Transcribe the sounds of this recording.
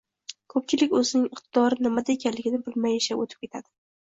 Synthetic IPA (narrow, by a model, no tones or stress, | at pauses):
kʰɵpt͡ʃʰɪlɪkʲɵzɪnɪŋɪqt̪ʰɪd̪ɒɾɪnɪmad̪aekʲanlɪɡʲɪnɪbɪlmajɪʃaot̪ʰɪ̥p̚kʲe̞t̪ʰad̪̥ɪ